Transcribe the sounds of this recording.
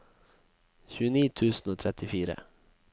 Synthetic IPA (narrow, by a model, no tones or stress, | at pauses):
ɕʉ̟ːniːt̪ʰʉ̟ːsnɔt̪ʰɾɛt̪ːɪfiːɾa̰